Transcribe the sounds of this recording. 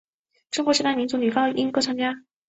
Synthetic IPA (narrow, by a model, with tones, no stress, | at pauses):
ʈ͡ʂʊ˥ŋkwɔ˧˥ɕʰi˧˥t̪a˥˩mi˧˥nt͡su˧˥ny˨˩fɑ˥ŋi˥ŋpt͡sʰa˥ŋt͡ɕja˥